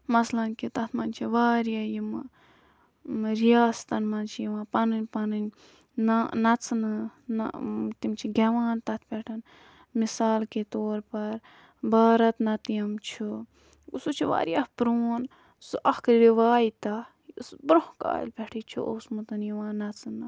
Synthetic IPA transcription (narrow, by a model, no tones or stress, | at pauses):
mɐslɐnkit̪ɐt̪ʰmɐnt͡ʃʰiʋaːɾijaːjimɨ | ɾijaːst̪ɐnmɐnt͡ʃʰijiʋãːpɐnɨnʲpɐnɨnʲ | nanɐt͡sʰnɨnt̪imt͡ʃʰiɡʲeʋaːnt̪ɐt̪ʰpʲɛʈʰɐn | misaːlket̪oːɾpɐɾ | baːɾɐt̪nɐt̪ijɐmt͡ʃʰu | usut͡ʃʰiʋa̰ːɾijahpɾoːn | sɨʔɐhkɾiʋaːjit̪ɐ | sbɾohka̰ːlʲpʲɛʈʰit͡ʃʰṵʔo̰wsmɨt̪ɨnjiʋãːnɐt͡sɨnɨ